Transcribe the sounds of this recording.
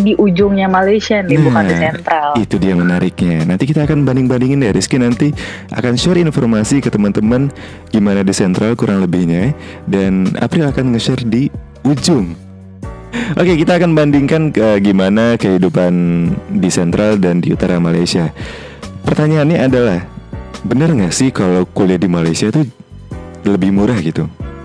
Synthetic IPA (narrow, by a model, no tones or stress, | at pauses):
diʔud͡ʒʊŋɲamalajsianibukaisɛnt̪ɾalit̪udiamənaɾʔɪk̚ɲanant̪ikit̪aːkanbandɪŋbandiŋɪndaɾiskinant̪iʔa̰kanʃaɾinfɔrmasikət̪əmant̪əman | ɡ̥imanadisɛnt̪ɾalkuɾʔaŋləbɪhɲa | dana̰pɾɪlakanŋəʃardi | ud͡ʒʊŋ | ʔokekit̪aːkanbandiŋkanəɡimanakəɦidupandisɛnt̪ɾaldandiṵt̪aɾamalajsia | pərt̪aɲaːnɲaːdalahbənərŋɡasɪhkalawkuliadimalajsiat̪u | ləbɪhmuɾahɡit̪u